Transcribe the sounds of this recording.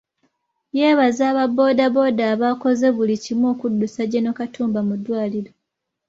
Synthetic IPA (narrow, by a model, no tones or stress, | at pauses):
je̞ːβazaːβabo̞ːdaβo̞ːdaːβako̞ze̞βulicimo̞ːkudːusaɟenokatuːmbamudːwaːliɾo